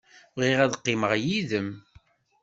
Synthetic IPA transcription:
ʁiʁæðqːɪməʁjiðəm

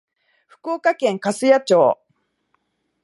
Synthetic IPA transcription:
ɸɯ̥ko̞ːkakẽ̞ŋkasɨjat͡ɕoː

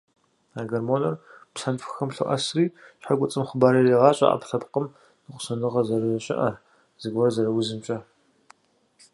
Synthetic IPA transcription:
aːɡɐrmoːnɐrpɬɐnfxɐmɬʊ̰ʔɐ̰sriːɕħaɡʷʊt͡sʼɨmχəbaːɾɐreːʁɑːɕʼɐ̰ʔɐ̰pɬɐpqəm | nɨqʷʊ̥sɐnɨʁɐzɐrɨzɐɕʼɪ̰ʔɐ | z̥ɨɡʷɐrɐzɐrɐwizɨmt͡ʃʼɐ

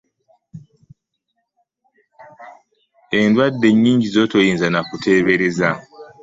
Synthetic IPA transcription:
e̞ndwadːe̞ɲːiːɲɟizo̞to̞jiːnzanakutʰe̞ːβe̞ɾe̞za

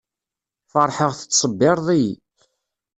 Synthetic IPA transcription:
fəɾˤħəʁθə̥t͡sːsˤəbːɪɾˤðˤij

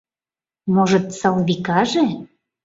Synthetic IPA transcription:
moʒɤ̆t̪sɑlβikɑʒe

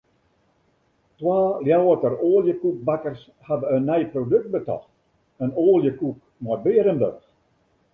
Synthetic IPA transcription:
twaːljawətəroːljəkuk̚bakərs | havəənːɛjprodøk̚t̚bətɔ̰xt | ənoːlˠjəkuk̚ | mɔr̚bɪəɾənbø̰x

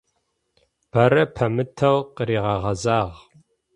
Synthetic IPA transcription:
b̥ɐɾɐpʰɐmɨtʰɐwqəɾiːʁɐʁɐzaːʁ

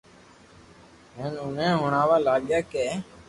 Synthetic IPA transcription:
ɦeːnʊnẽːɦʊɳaːʋaːlaːɠjaːkeː

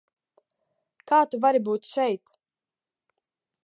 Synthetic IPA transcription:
kaːt̪uvaɾibuːt̪ʃɛjt̪

